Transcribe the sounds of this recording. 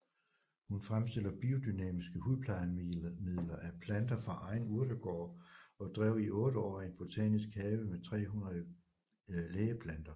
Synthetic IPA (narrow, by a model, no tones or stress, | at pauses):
hunfʁamsd̥e̝l̰ɐb̥io̝d̥ynɛ̰ːmisɡ̥əhuðˠpʰlɑ̈ɪmið̰ˠlɐʔæpʰlænd̥ɐfʁɑ̈ʔɑ̈ɪnuɐ̰d̥əɡ̥ɒ̰ːɒ̽d̥ʁɛʊ̰iʔɔ̽ːd̥əɒ̰ːenb̥o̝t͡sʰɛ̰ːnisɡ̥hɛːʋəmet͡sʰʁɛ̰ːɦunʁɐðˠ | leːəpʰlænd̥ɐ